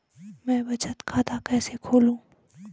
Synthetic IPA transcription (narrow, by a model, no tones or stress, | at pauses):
mɛ̃ːbɐt͡ʃət̪kʰaːt̪akɛːsekʰoːlũː